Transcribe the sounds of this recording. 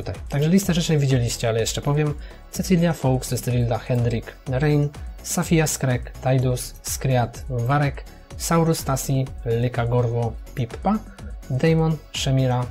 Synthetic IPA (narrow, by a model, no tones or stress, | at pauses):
ut̪ajt̪aɡʐɛlʲist̪ɛʐɛt͡ʂɛɲvʲid͡ʑelʲiɕt͡ɕɛalɛjɛʂt͡ʂɛpɔvʲjɛm | sɛsilʲjafɔwksɛst̪ɾʲild̪axɛnd̪ɾʲikɾɛjnsafʲijaskɾɛkt̪ajd̪usːkɾʲjat̪vaɾɛk | sawɾust̪asʲilɘkaɡɔɾvɔpʲipːa | d̪ɛjmɔnʂɛmʲiɾa